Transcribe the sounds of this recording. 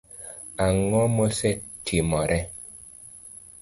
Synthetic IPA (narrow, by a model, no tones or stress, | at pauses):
aŋɔmosɛtʰimɔɾʔɛ